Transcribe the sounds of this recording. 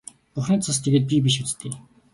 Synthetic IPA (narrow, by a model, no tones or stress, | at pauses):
pʊχrəːt͡sʰast̪ʰeɣeːt̪̚pʲip̬iʃ̬ut͡st̪ʰeː